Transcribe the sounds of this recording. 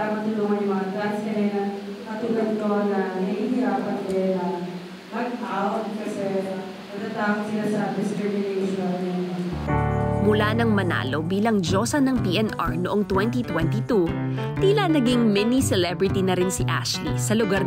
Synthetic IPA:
amɐt̪ʊluːŋɐnjʊmɐŋat̪ɾanskɐjɛnɐ | kɐt̪ʊɡɐnt̪onɐmɐhihɪɾaːpɐnd̪ɛnɐ | mɐɡ̚pɐʔaːwɐt̪̚kɐsɛ | pɐɡ̚t̪at̪aːwɐɡsɪlasɐd̪ɪst̪ɾɪmɪnejʃɔnɐld̪ɪɐno | mʊlanɐŋmɐna̰ːlo̞biːlɐŋd͡ʒosɐnɐŋpiʔɛnʔɐ̰ɹnoʔoŋt̪wɛnt̪̬it̪wɛnt̪it̪u | t̪iːlɐnɐɡiŋmɛnisɛlɛbɾɪt̪inɐɾɪnsiʔa̰ʃlisɐlʊɡaɾ

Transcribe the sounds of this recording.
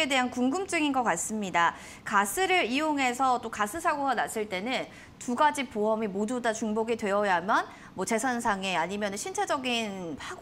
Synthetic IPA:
e̞de̞ɦankuŋɡɯmt͡ɕ͈ɯŋinɡʌk͈as͈ɯmɲida | kas͈ʰɯɾɯɾioŋɦe̞sʰʌt͈okasʰɯsʰaɡoɡanas͈ɯɭt͈e̞nɯn | tuɡad͡ʑipoʌmimodudat͡ɕuŋboɡidwe̞ʌjamjʌn | mwʌt͡ɕe̞sʰansʰaŋeaɲimjʌnɯnɕʰint͡ɕʰed͡ʑʌɡinpʰaɡ

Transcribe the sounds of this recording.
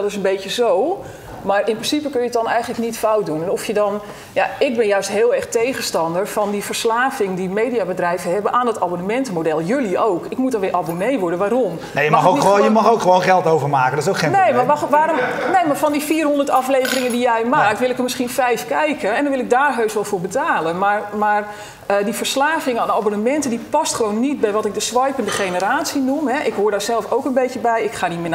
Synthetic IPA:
dɔtɪs̬ənbejtjəzow | marɪnprɪnsipəkønjət̚dɔnɛjɣəntləknitfawt̚dunɛnɔfjədɔn | jaɪk̚bɪnjœɥstɦɪːəlˠɛrxtejɣəstɑndərfɔndifərslaːvɪŋdimeːdiabədrɛjvəɦɛbənʔaːndɔtabonəmɛntəmodɛlˠjøliowkɪkmut̚dɔnʋɪːʔabonejʋʊɹdənʋaːɾom | nejəmɔxoiojəmɔxokχəʋoːnχɛlˠtowvəmaːkədɔtɪsokenejmaʋaːɾomnejmafɔndifiːrɦondərtɑfleːvərɪŋəndijɛjmaːk̚tʋɪlˠɪkəmɪsxiənfɛjfkɛjkəɛndɔnʋɪlˠɪk̚daːrɦøɥsʋɔlˠfʊːɹbətaːlənmarmar | ədifərslaːɣɪŋəaːnabonəmɛntədipɔstχəʋownːit̚bɛjʋɔtɪk̚dəsʋɑjpəndəxejnəraːtsinumɦɛʔɪkɦoːrdaːsɛlˠfowkənbejtjəbɛjɪkxaːnimɪn

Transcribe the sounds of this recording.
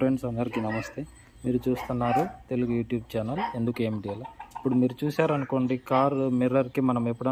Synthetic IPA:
ɾjɳɖsɐnɐɾikinɐmɐst̪e | miːɾut͡ʃuːst̪unːaːɾut̪e̞luɡujuːʈjuːb̚t͡ʃaːnɐle̞nd̪ukue̞ːmiɖiɐlɐipːuɽumiːɾut͡ʃuːsaːɾɐnuko̞ːɳɖikaːɾmiɾɐɾkimɐnɐmepːuɽɐ

